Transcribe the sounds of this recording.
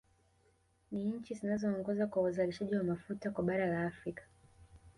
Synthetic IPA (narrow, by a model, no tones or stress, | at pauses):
niɲ̩t͡ʃizinazɔːŋɡɔzakwauzaliʃaʄiwamafutakwaɓaɾalaːfɾikḁ